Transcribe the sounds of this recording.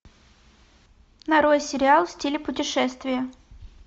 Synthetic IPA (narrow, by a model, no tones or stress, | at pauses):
nɐɾojsʲɪɾʲɪalˠfsʲtʲilʲɪpʊtʲɪʂɛst̪vʲɪjə